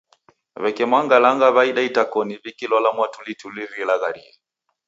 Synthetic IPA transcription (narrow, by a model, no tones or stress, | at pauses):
βɛkɛmwaŋɡalaŋɡaβaiɗaitakɔniβikilɔlamwatulituliɾilaɣaɾḭɛ